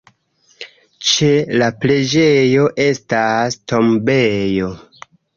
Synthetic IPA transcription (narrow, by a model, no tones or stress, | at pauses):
t͡ʃe̞laple̞d͡ʒe̞jo̞ʔe̞stasto̞mbejo̞